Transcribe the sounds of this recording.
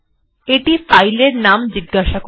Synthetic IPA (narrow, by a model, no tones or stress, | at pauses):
eʈifajleɾnamd͡ʑiɡːaʃako